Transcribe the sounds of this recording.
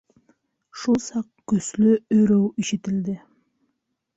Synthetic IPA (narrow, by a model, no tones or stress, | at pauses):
ʃulˠsɑq̚kɵslʏɵɾøwiʃɪt̪ɪld̪ɪ